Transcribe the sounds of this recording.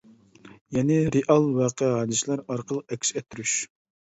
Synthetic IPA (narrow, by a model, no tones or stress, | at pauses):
jɛnɪɾeʔɑlˠwɑqʰəɦɑːd̪ɨslˠæɾɑɾqəlˠəq̚ɛkʲʃɛt̪ʰːyɾyʃ